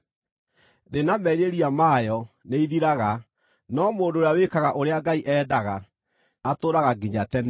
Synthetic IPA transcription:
ðenamɛɾeɾiamajɔ | neiðiɾaɣa | nɔmoːndoːɾeawekaɣaʔoɾeaɡaiʔɛːdaɣa | atoːɾaɣaɡeɲatɛn

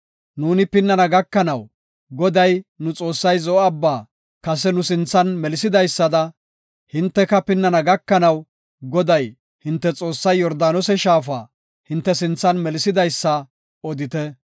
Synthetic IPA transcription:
nuːnɪpɪnːɐnɐɡɐkːɐnɐw | ɡɔd̪ɐjnʊt͡sʼo̞ːsːɐjzɔɔɐbːaː | kɐs̬ɛnʊsɪnt͡sːɐnmɛlɪsɪd̪ɐjsːɐd̪ɐ | hɪnt̪ːɛkɐpɪnːɐnɐɡɐkːɐnɐw | ɡɔd̪ɐj | hɪnt̪ːɛt͡sʼo̞ːsːɐjːɔɾd̪aːnɔsɛʃaːfaː | hɪnt̪ːɛsɪnt͡sːɐnmɛlɪsɪd̪ɐjsːɐ | ɔd̪ɪt̪ɛ

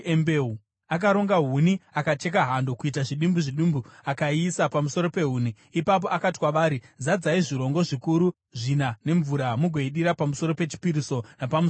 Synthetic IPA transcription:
embeːu | ak̬aɾo̞ŋɡaɦuniakat͡ʃe̞kaɦando̞kuit̬aʐiɗimbuʐiɗumbuakaisapamuso̞ɾo̞pe̞ɦuːniːpap̬o̞ʔakati̥kwaʋaːɾizad͡zaiʐiɾo̞ŋɡo̞ʐikuɾu | ʐinane̞ɱvuɾamuɡʱeiɗiɾapamuso̞ɾo̞pe̞t͡ʃi̥piɾiso̞napamu

